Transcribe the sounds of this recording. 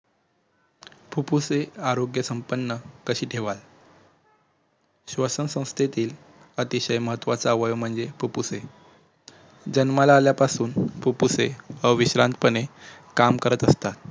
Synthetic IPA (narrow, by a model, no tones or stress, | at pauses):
pʰupuseaɾoɡjəsəmpənːəkəɕiːʈʰeʋal | ɕʋəsənsə̃w̃st̪ʰet̪iːl | ət̪iɕəjməɦət̪ːʋat͡saʋəjom̤əɳd͡zepʰupuse | d͡ʑənmalaːljapasuːnpʰupuseəʋiɕɾãnt̪̚pənekamkəɾət̪əst̪at̪̚